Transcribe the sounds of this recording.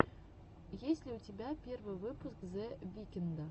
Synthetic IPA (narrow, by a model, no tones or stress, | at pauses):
jesʲlʲiutʲebʲæpʲervɨvɨpuskzʲɛvʲikʲɛnd̪ɐ